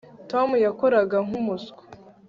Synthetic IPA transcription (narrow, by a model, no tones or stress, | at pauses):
tomujakoɾaɡaŋ̥umusku̥